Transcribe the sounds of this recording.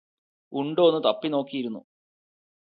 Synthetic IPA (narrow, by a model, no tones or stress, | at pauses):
uɳɖoːnːɨt̪ɐpːino̞ːkːijiɾunːṵ